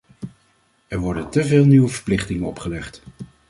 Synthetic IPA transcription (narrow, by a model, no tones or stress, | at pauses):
ɛɹʋɔɹdəntəvɪːlˠniʋəvəɹplɪχtɪŋənɔ̰pχəlɛχt